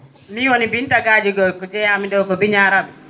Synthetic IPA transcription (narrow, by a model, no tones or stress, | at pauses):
miwonibintaɡaːd͡ʒiɡɔkɔd͡ʒɛjamidɔwkɔbiɲaɾabɛ